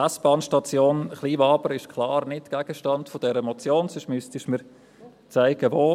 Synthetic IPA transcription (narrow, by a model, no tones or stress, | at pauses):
ɛsb̥ɑːnʃtɑt͡sjoːnχliːvɑːbəɾɪʃkʰlˠɑːɾnɪtɡ̥æɡ̥əʃtɑndfod̥ɛɾəmot͡sjoːnsʏʃmystiʃmiːɾ | t͡sæɪɡ̥əʋoː